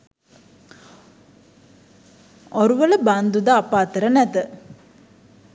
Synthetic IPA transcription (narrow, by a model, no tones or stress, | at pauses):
oɾuʋələband̪ud̪aːpaːt̪əɾənæt̪ə